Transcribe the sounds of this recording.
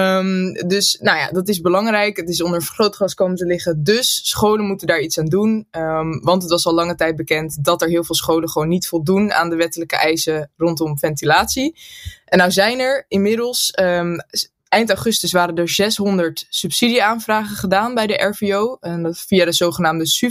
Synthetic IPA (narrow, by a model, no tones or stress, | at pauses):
mdɵsnawja̰ːdɑtɪzbəlɑŋrɛjkətɪs̬ɔndəɹχrowtχɑskowməntəlɪχədɵsːχowlənmutəndaːɹitsaːndun | ʋɑntətʋɑsɑlɑŋətɛjt̚bəkɛntdɑtɛɹɦɪːlˠvɪːlˠsχowləχʋownːitfɔlˠduna̰ːndəʋɛtələkə̰ʔɛjsərɔntɔmfɛntilaːtsiɛnːawzɛjnɛɹɪnmɪdəlˠs | ɛjntawχɵstəsʋaːɾədəɹzɛsɦɔndəɹtsypsidiaːnvraːχəχədaːnbɛjdəʔɛɹfiownfiadəzowχənaːmdəs